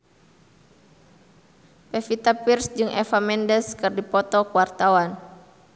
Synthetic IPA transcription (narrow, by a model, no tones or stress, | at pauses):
pɛfit̪apirsd͡ʒɨŋʔɛ̰famɛndɛskɨrdipɔt̪ɔkwart̪awan